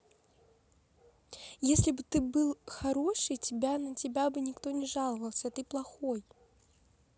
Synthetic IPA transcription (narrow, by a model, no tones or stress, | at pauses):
jesʲlʲibɨt̪ɨbɨlˠxaɾɔʂɨjt͡sʲɪbʲanɐt͡sʲɪbʲabɨnʲɪkt̪ɔnʲɛʐalˠɐvɐlˠsʲɐt̪ɨplˠɐxɔj